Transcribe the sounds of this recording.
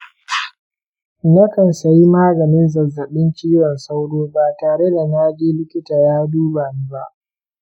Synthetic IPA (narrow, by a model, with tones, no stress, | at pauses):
nɐ˦kɐ˨nsɐ˨ji˦maː˦ɡɐ˨nɪ˦nzɐ˨zːɐ˨ɓɪ˦nt͡ʃiː˦jɔ˨nsa˦wɽoː˦baː˨taː˨ɽe˦da˨naː˦d͡ʒiː˦lɪ˦kʲɪ˦taː˨jaː˦duː˦baː˨niː˦ba˦ʔ